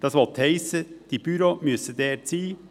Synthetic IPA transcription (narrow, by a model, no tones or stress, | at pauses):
d̪̥ɑsʋɔt̪hɛɪsəd̥ib̥yɾomʏsəd̪eːt͡siː